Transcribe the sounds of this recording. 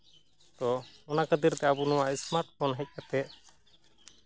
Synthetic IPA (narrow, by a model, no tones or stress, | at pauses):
t̪ɔɔnakəd̪iɾt̪ɛabunuwaʔismaɾʈpʰɔnɦɛc̚ˀkat̪ɛ